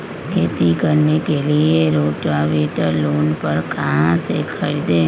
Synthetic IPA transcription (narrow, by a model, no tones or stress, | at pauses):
kʰet̪ikəɾnekelieɾoʈaʋeʈəɾlonpəɾkãsekʰəid̪e